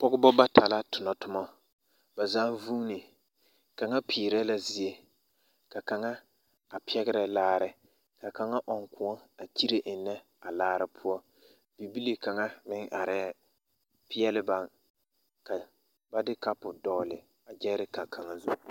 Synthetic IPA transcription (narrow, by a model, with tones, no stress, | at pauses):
pɔ˦ɡɪ˦bɔ˦ba˦tʰa˨la˦tʊ˨nɔ˨tʊ˦mɔ˦ | ba˨zaː˦nvu˦ni˨ | ka˨ŋa˦pʰiː˨ɾɛ˦la˨zi˨je˦ | ka˨ka˨ŋa˦ | a˨pɛ˦ɡɪ˦ɾɛ˨laː˦ɾɪ˦ | ka˨ka˨ŋa˦ʔɔ˨ŋkʊ˨ɔ˦a˨t͡ʃi˦ɾe˨ʔɪ˨nːɛ˦ | a˨laː˦ɾɪ˦pʰʊ˦ɔ˦ | b̥i˨bi˦li˦ka˨ŋa˦mɪ˦ŋʔa˨ɾɛ˦ | pɪ˦ɛ˦lɪ˦ba˦˨ŋ | ka˨ | ba˦dɪ˦ka˦pʊ˨dɔː˦lɪ̰˨ | a˨d͡ʒɛ˦ɾɪ˦ka˨kʰa˨ŋa˦zu˦